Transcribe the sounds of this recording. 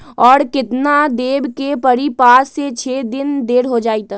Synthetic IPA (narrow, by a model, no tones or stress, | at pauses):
ɔːɾkɪt̪nad̪eːbkepəɾipaːset͡ʃʰed̪ɪnd̪eːɾɦod͡ʒaːit̪